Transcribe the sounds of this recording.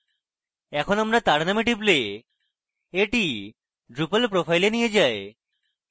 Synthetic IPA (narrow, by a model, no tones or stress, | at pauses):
ɛkʰonamɾat̪aɽnamiʈiple | eʈi | ɖɾupəlpɾopʰajlenijed͡ʑae